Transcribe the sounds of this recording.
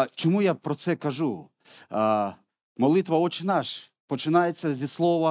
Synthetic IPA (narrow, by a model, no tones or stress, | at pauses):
t͡ʃɔmujapɾɔt̪sɛkɐʒu | mɔlˠit̪ʋɐɔt͡ʃɪnaʃ | pɔt͡ʃɪnajet͡sʲːɐzʲislˠɔʋɐ